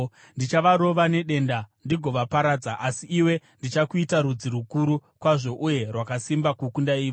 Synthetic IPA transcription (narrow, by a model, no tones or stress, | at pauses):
ndit͡ʃaʋaɾo̞ʋane̞ɗe̞ːndandiɡʱo̞ʋapaɾad͡zaʔasiːwe̞ndit͡ʃakuitaɾud͡ziɾukuɾukwaʐo̞ʔuje̞rwakasimbakukundaiːʋ